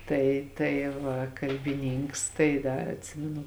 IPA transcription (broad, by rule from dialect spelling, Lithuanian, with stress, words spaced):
ˈtɐɪ tɐɪ ˈʋɐ kɐlʲbʲɪˈnʲiːŋks tɐɪ ˈdɐr ɐtʲˈsʲɪmʲɪnʊ